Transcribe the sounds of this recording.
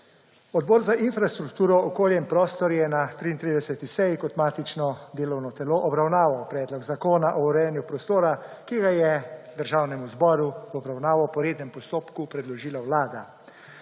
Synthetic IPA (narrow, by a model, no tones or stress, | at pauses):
ɔd̪̚bɔːɾzaʔinfɾast̪ɾukt̪uːɾɔɔkoːljɛmpɾɔːst̪ɔɾjɛnat̪ɾiːint̪ɾid̪ɛsɛt̪isɛjikɔt̪maːt̪it͡ʃnɔd̪eːlɔwnɔt̪ɛloːʔɔbɾawnaːʋawpɾɛːd̪lɔɡzakoːnaʔɔuɾɛjɛnjupɾɔst̪oːɾakiɡajɛd̪əɾʒaːwnɛmuzbɔːɾuɔbɾawnaːʋɔpɔɾeːd̪nɛmpɔst̪oːpkupɾɛd̪lɔʒiːlawlaːd̪a